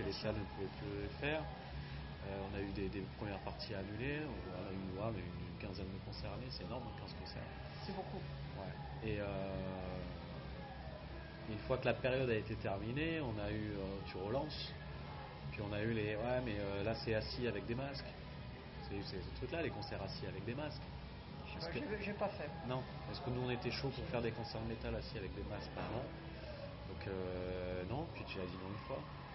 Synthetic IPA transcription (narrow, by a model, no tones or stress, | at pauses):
əlesalnəpuvɛplyəfɛːʁ | øɔ̃nayd̪ed̪epχəmjɛʁpaʁt̪ʰianyleɔ̃ | ɔ̰̃nayvamɛynːnkʲɛ̃zɛnd̪əkɔ̃sɛʁanesɛenɔʁməkɛ̃zkɔ̃sɛ̰ʁ | boku | wɛ | eø | ynfwakəlapeʁjɔd̪aet̪et̪ɛʁmineɔ̃nayøt̪ʰyʁəlɑ̃s | pɥiɔ̃naylewɛmɛølasɛasiavɛk̚d̪emask | saysesət̪χyklalekɔ̃sɛʁasiavɛk̚d̪emask | paskʒepafɛ | nɔ̃ | paskənuɔ̃net̪ɛʃopuʁfɛʁd̪ekɔ̃sɛʁd̪əmet̪alasiavɛk̚d̪emask̚paʁamɑ̃ | d̪ɔ̃kønɔ̃pɥit̪yad̪inɔ̃ynfwa